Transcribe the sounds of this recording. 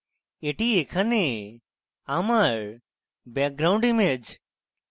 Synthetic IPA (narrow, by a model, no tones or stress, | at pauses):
eʈiekʰɐne | amaɾ | bɛːk̚ɡɾaũɳɖimed͡ʒ